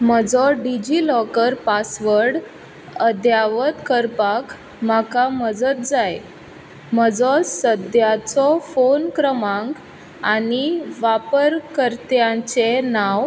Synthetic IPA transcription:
məd͡zɔɖid͡ʑilɔkəɾpasʋəɾɽ | əd̪jaʋət̪kəɾpak | makaməd͡zət̪̚d͡zaj | məd͡zɔsəd̪jat͡sɔfonkɾəmãŋk | aniʋapəɾkəɾt̪jãt͡senaʋ

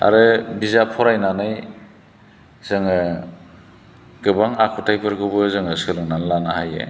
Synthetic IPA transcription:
a̰ɾɯbizapʰɔɾajnanɯj | z̥ɯŋɯ | ɡ̥ɯbaŋakʰutʰajpʰɯɾɡɯbɯzɯŋɯsɯlɯŋnanlanahajḛ

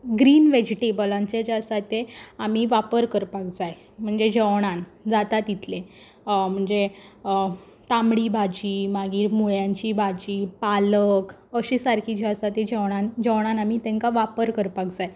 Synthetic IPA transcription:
ɡɾiːnʋed͡ʑiʈebəlãɲt͡sed͡ʑaəsat̪eamiʋapəɾkəɾpakd͡zaj | m̤əɳd͡zed͡ʑəʋɽ̃ãnd͡zat̪at̪it̪ʰle | m̤əɳd͡ze | t̪amɽiːbʱad͡ʑiːmaɡiːɾmuɭjãɲt͡ɕiːbʱad͡ʑiːpalək | əɕiːsaɾkʰid͡ʑiəsat̪ed͡ʑəʋɽ̃ãnd͡ʑəʋɽ̃anamit̪ɛ̃ŋkaʋapəɾkəɾpakd͡zaje

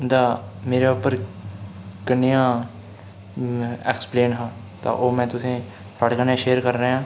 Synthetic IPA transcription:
d̪aːmeːɾeʊpəɾ | kənːejãː | ɛ̰ːkspleːnɦãː | t̪ã̰ːʔoːmɛ̃ːt̪ʊsẽː | sʰaːɽkənjãːʃeːəɾkəɾːeãː

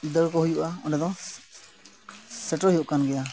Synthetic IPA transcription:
d̪əɾkɔɦujuʔaɔnɖad̪ɔ̃ | səʈɔjuʔkanɡɛja

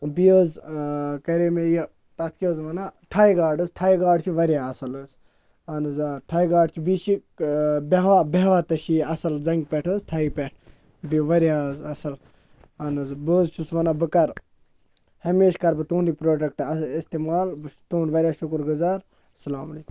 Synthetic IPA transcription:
bijoːzkɐɾemejɐ | t̪ɐt̪ʰkʲijoːzʋɐnatʰaːiɡaːɖɨst̪ʰaːjiɡaːɖt͡ʃʰiʋɐɾjaɐsɐlɨs | ɐnɨzt̪ʰaːjɡaːɖt͡ʃʰibit͡ʃi | beɦʋabeɦʋaːt̪ɐʃiɐsɐld͡zɐŋɡpeʈʰəːzt̪ʰaːipeʈʰ | biʋɐɾʲjazɐsɐl | ɐnɨzboːzt͡ʃʰusʋɐnabɨkɐɾ | hɐmeːʃkɐɾbɨt̪uːnɾipɾoːɖɐk̚ʈɐist̪eːmaːlbɨt̪oːnʋɐɾʲjaʃukɾɡɨzaːɾ | sɐlaːmɐliːkum

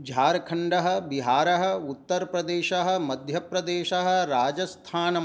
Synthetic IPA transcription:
d͡ʒʱaːɾɐkʰɐɳɖɐɦɐ̆biɦaːɾɐɦɐ̆ut̪ːɐɾpɾɐd̪eːʃɐɦɐ̆mɐd̪ʱjɐpɾɐd̪eːʃɐɦɐ̆ɾaːd͡ʒɐst̪ʰaːnɐ

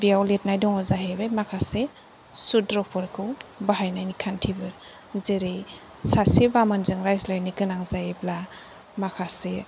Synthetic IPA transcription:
bijawlet̚najdɔŋɔzaɦebemakʰase | sudɾɔpʰɔɾkʰɯwbaɦajnajnikʰantʰibɯɾ | zeɾej | sasibamanzɯŋɾajzlajniɡɯnaŋzajebla | makʰase

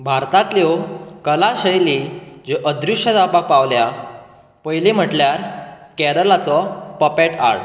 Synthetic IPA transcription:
bʱaɾt̪at̪ljɔwkəlaɕəjlid͡ʑeʔəd̪ɾiʂəd̪apak̚paʋlja | pəjlim̤əʈljaɾkɛɾəlat͡sɔpəpeʈa̰ɽ

